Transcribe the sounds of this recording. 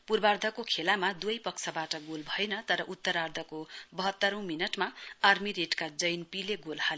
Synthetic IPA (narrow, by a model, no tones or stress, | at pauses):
purbard̪ʱʌkokʰelamad̪uʌjpʌksʰʌbaʈʌɡolbʱʌjenʌt̪ʌɾʌʔut̪ːʌɾard̪ʱʌkobʌɦʌt̪ːʌɾʌ̃w̃minʌʈmaarmiɾeʈkad͡zʌjnpileɡolhal